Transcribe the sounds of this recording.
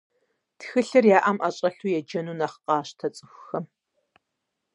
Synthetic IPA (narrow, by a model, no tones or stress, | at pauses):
txɨɬɨrjaːʔɐmʔaɕʼɐɬuːjɛd͡ʒɐnuːnɐχqɑːɕtʰɐt͡sʼɨxʷxɐm